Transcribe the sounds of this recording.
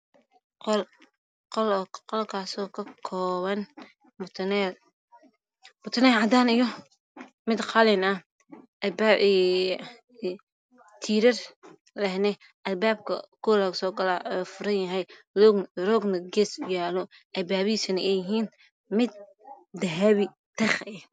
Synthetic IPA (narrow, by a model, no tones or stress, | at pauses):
ql | qɔlːqɔlkʰaːsɔːkʰɐkʰɔːβɐn | mt̪ʰnɛ | bʊt̪ʰɐnɛlʕɑd̪aːnɪjɔ | mɪd̪qɑlɛnɐ | ʔɐlbaːɛ | t̪ʰiːɾɐr | lɛhnɛ | ʔɐlbaːb̚kʰɐ̰kʰɔlɐɣsɔːɡɐlaːʔɔfʊɾɐnjɐɦɛj | ɾɔɡnɐɡɛːsʊjaːlɔʔɐlbaːβiːsɐnɐɛjɪɦiːn | mɪd̪̚ː | ɐɦɐβi | t̪ʰɐχɛ